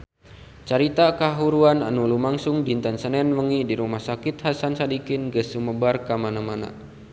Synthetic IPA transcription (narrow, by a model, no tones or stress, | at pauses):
t͡ʃaɾit̪akaɦuɾuananulumaŋsʊŋdint̪ansənɛnwəŋidiɾumahsakit̪̚hasansadikɪnɡəsuməbarkamanamana̰